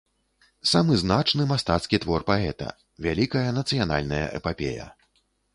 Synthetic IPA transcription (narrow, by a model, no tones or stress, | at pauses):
samɨznat͡ʂnɨmast̪at̪skʲit̪vɔrpaɛt̪ɐ̰ | vʲalʲikɐjɐnɐt̪sɨjana̰lʲnɐjɐ̰ʔɛpapʲḛjɐ̰